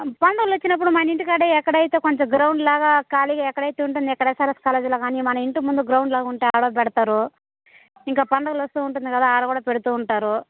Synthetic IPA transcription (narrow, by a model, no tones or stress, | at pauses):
pɐɳɖɐɡulot͡ʃːinɐp̬ːuɽumaːniɳʈikaːɽeɛkːɐɽɐjit̪e̞ːkoɲt͡ʃɐɡɾɐwɳɖlaːɡaːkaːliɡaːɛkːɐɽɐjt̪eːuɳʈund̪iɛkːɐɽɐesaːɾeskaːleːd͡ʒloːkaːniːmɐnɐiɳʈumund̪uɡɾɐwɳɖlaːɡuɳʈeːaːɽoːpɛɽɐt̪aːɾu | iŋkaːpɐɳɖɐɣulost̪uːuɳʈund̪ikɐd̪aːaːɾɐkuːɽaːpeɽut̪uːuɳʈaːɾu